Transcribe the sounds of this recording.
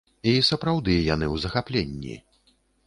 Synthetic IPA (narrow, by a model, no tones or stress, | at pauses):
isɐpɾawd̪ɨjanɨwzɐxaplʲenʲːḭ